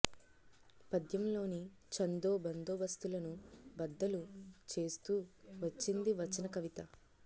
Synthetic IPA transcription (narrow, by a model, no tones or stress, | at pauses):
pɐd̪jɐmlo̞ːni | t͡ʃɐnd̪oːbɐnd̪oːbɐst̪ulɐnubɐd̪ːɐlut͡ʃe̞ːst̪uːʋɐt͡ʃːind̪iʋɐt͡ʃːɐnɐkɐʋit̪ɐ